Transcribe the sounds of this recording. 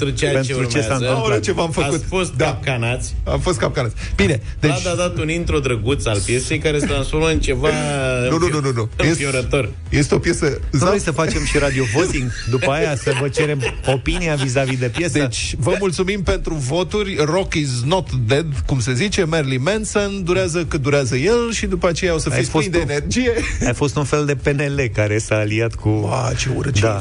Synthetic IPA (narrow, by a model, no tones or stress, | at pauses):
t̪ɾut͡ʃejapeneɾut͡ʃesanɨmɾet͡ʃe̞vamfəaut̪fo̞st̪̚d̪ap̚kanat̪sʲa̰mfo̞st̪kap̚kanat̪sʲb̥ine̞ | d̪et͡ʃ̪ad̪at̪unint̪ɾo̞d̪ɾəɡut̪salpje̞se̞jkaɾest̪ɾansfo̞ɾməɨnt͡ʃe̞vanunuununujesioɾət̪o̞r | je̞s̬t̪eo̞pjesəzojsəfat͡ʃe̞mʃiɾad̪iovo̞t̪iŋɡd̪upəajasəvət͡ʃe̞ɾe̞mopiniavizavid̪e̞pjesd̪et͡ʃʲvəmult̪sumimpe̞nt̪ɾuvo̞t̪urʲro̞kiznot̪ːd̪ed̪kumse̞zit͡ʃe̞merlimensond̪uɾeazəkəd̪uɾeazəje̞lʃid̪upəat͡ʃe̞jao̞səfifosjd̪eːnerd͡ʒije̞ajfo̞st̪unfe̞ld̪e̞pe̞ne̞le̞kaɾe̞saːliat̪kʰua̰t͡ʃeṵɾt͡ʃd̪ea